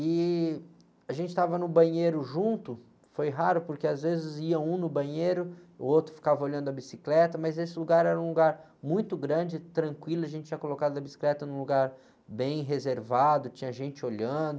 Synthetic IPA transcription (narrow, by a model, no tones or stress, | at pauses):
ɪ | aʒẽnt͡ʃɪt̪avɐnʊbɐ̃ɲejɾʊʒũnt̪ʊ | fojɦaɾʊpʊɾkeazvezɪziɐũnʊbɐ̃ɲejɾʊʊowt̪ɾʊfi̥kavɐoʎɐ̃nd̪ʊɐbisiklɛt̪ɐmɐzesɪluɡaɾɛɾɐũluɡaɾ | mũj̃t̪ʊɡɾɐ̃d͡ʒɪt̪ɾɐ̃kwilʊɐʒẽnt͡ʃɪt͡ʃĩɐkolokad̪ʊɐbisi̥klɛt̪ɐnũluɡaɾ | bẽj̃ɦezeɾvad̪ʊt͡ʃĩɲɐʒẽnt͡ʃɪoʎɐ̃d̪ʊ